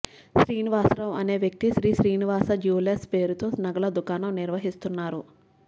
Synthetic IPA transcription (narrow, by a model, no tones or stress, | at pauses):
ʃɾiːniʋaːsɾɐmɐne̞ːʋjɐk̚t̪iʃɾiːʃɾiːniʋaːsɐd͡ʒuːlespe̞ːɾut̪o̞ːsnɐɡɐlɐd̪ukaːnɐmniɾʋɐɦist̪unːaːɾu